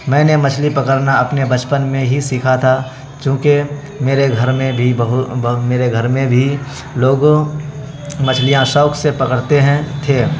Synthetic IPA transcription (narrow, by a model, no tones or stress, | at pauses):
mɛ̃ːnemɐt͡ʃʰlipɐkəɾnaɐpnebɐt͡ʃpənmẽɦisikʰat̪ʰa | t͡ʃõːke | meːɾeɡʱɐɾmẽbʱibəɦʊmeːɾeɡʱəɾmẽbʱi | loːɡo | mɐt͡ʃʰlijãʃɔːksepɐkəɽt̪eɦɛ̃t̪ʰeː